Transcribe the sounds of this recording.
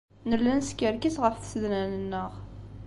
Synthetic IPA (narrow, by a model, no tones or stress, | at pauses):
nəlːænskːəɾkisʁəfθsəðnænənːəʁ